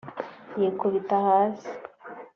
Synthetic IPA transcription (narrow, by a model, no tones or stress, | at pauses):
jeːkoβitahaːsi̥